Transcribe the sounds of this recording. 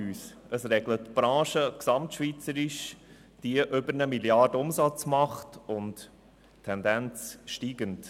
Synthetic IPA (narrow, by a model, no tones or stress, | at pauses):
yːsəsɾɛɡlətb̥ɾɑ̃ːʃəksɑmtʃʋit͡səɾɪʃ | d̥iəʔʏbəɾnəmiljɑdəʊmsɑt͡smɑχtʊnt | tʰːɛndænt͡sʃtiːɡənt